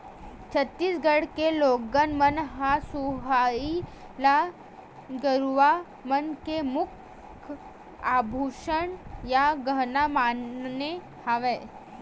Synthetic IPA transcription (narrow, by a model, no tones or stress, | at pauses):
t͡ɕʰət̪ːiːsɡəɽkeloɡənmənɦasuɦai | la | ɡəɾʋa | mənkemukʰ | abʱuʂəɳjaɡənamanne | haʋe